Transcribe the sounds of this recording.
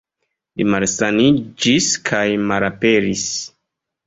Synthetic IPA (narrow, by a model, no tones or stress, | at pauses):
limalsanid͡ʒiskʰajmalape̞ɾis